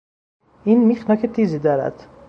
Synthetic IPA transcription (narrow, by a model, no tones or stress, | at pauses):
ʔiːnmixnɒːcʰet̪ʰiːziːd̪ɒːɾæ̰d̪̥